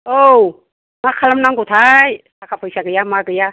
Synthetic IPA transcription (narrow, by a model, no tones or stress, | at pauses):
ow | makʰalamnaŋɡot̪ʰajsakʰapʰajsaɡɯjamaɡɯja